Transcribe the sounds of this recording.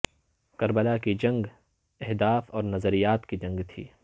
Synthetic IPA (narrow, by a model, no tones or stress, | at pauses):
kɐɾbəlakid͡ʒɐ̃ŋɡ | ɛɦd̪aːfɔːɾnɐzəɾijaːt̪kid͡ʒɐ̃ŋɡt̪ʰḭː